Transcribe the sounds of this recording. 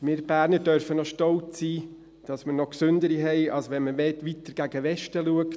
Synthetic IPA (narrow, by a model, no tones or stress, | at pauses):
mɪɾb̥æːɾnədœɾfənɔʃtɔlt͡ssiː | d̥ɑsmənɔksʏndəɾiɦɛɪʔɑlsʋɛnməʋɛtʋitəɾɡ̥æɡəʋɛʃtəluəkt